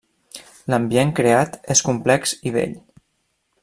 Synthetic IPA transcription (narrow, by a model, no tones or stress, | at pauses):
ləmbieŋkɾeat̪eskumplɛksiβḛʎ